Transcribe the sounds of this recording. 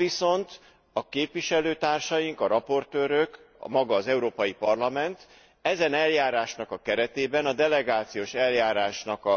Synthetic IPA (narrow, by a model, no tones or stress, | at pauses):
viso̞nt̪ | ɒkeːpʋiʃɛløːt̪aːrʃɒjiŋkɒɾɒpo̞rt̪øːɾøk | mɒɡɒːzɛuɾoːpɒjipɒrlɒmɛnt̪ | ɛzɛnɛljaːɾaːʃnɒkɒkɛɾɛt̪eːbɛnɒd̪ɛlɛɡaːt̪sijoːʃɛljaːɾaːʃnɒkɒ